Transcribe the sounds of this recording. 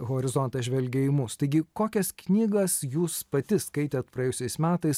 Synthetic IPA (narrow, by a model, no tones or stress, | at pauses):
ɣoːɾʲɪzɔnt̪ɐʒʲʋʲɛlʲɡʲɛimʊst̪ɐɪɡʲɪkoːkʲɛsknʲiːɡɐsjuːspɐt̪ʲɪskɐɪt̪ʲɛːt̪̚pɾɐjeɛjʊsʲɛɪsmʲæːt̪ɐɪs